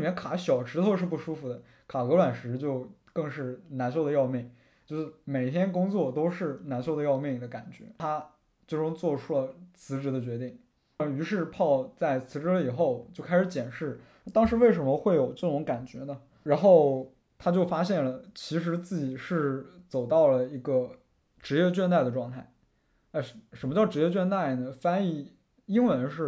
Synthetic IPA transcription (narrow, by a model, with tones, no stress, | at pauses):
i˩mjɛ˥nkʰa˧˥ɕjɑ˨˩ʊʈ͡ʂɻ̩˧˥t̪ʰo˥˧ʊʂɻ̩˥˧p̬u˥˩ʂu˥fu˨˩d̪ə˦ | kʰa˨˩kɤ˧˥lwa˨˩nʂɻ̩˧˥t͡ɕjo˥˧ʊkɤ˥˧ŋʂɻ̩˥˩na˧˥nʂ̬o˥˩ʊd̪ə˩jɑ˥˧ʊmjɛ˥˩ŋ | t͡ɕjo˥˧ʊʂɻ̩˥˩me˨˩ɪ˥t̪ʰjɛ˥nkʊ˥ŋt͡swɔ˥˩t̪o˥ʊʂɻ̩˥˩na˧˥nʂo˥˩ʊd̪ə˧jɑ˥˧ʊmjɛ˥˩ŋd̪ə˦ka˨˩nt͡ɕɥɛ̰˧˥a˥ | t͡ɕjo˥˩ʊʈ͡ʂʊ˥˧ŋt͡swɔ˥˧ʈ͡ʂʰu˥lə˨t͡sʰɹ̩˧˥ʈ͡ʂɻ̩˧˥d̪ə˧t͡ɕɥɛ˧˥t̪i˥˩ŋ˩ | y˧˥ʂɻ̩˥˧pʰɑ˥˧ʊt͡sa˥˩ɪt͡sʰɹ̩˧˥ʈ͡ʂɻ̩˧˥lə˧i˨˩xo˥˧ʊt͡ɕjo˥˧ʊkʰa˥ɪʂɻ̩˧˥t͡ɕjɛ˨˩nʂɻ̩˥˩˥ | t̪ɑ˥ŋʂɻ̩˧˥we˥˩ɪʂ̬ə˧˥nmə˧xwe˥˩ɪjo˨˩ʊʈ͡ʂɤ˥˩ʈ͡ʂʊ˧˥ŋka˨˩nt͡ɕɥɛ˧˥nə˨ | ɻa˧˥nxo˥˩ʊ | t̪ʰa˥t͡ɕjo˥˩ʊfa˥ɕjɛ˥˩nlə˩t͡ɕʰi˧˥ʂ̬ɻ̩˧˥t͡sɹ̩˥˩t͡ɕi˨˩ʂɻ̩˥˩t͡so˨˩ʊt̪ɑ˥˩ʊlə˩i˧˥ɡə˧ | ʈ͡ʂɻ̩˧˥jɛ˥˧t͡ɕɥɛ˥˧nt̪a˥˩ɪdə˩ʈ͡ʂwɑ˥˧ŋt̪ʰa˥˩ɪ | a˥˩˧ʂə˧˥nmə˧t͡ɕjʊʈ͡ʂɻ̩˧˥jɛ˥˧t͡ɕɥɛ˥˧nt̪a˥˩ɪnə˩fa˥ni˥˩ | i˥ŋwə˧˥nʂɻ̩˥˩